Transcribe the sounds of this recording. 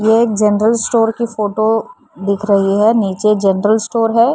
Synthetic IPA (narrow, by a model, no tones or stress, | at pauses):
jeeːk̚d͡ʒɛnəɾəlsʈoːɾkifoːʈo | d̪ɪkʰɾɐɦiɦɛniːt͡ʃed͡ʒɛnəɾəlsʈoːɾɦɛː